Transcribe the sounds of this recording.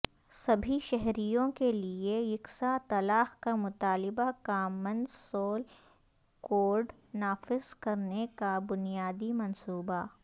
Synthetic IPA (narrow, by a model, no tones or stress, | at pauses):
sɐbʱiʃɛɦɾijõkeliejɪksat̪ɐlaːxkamʊt̪aːlɪbakaːmə̃nd̪soːl | koːɾɖ | naːfɪzkɐɾnekabʊnijaːd̪imɐnsuːba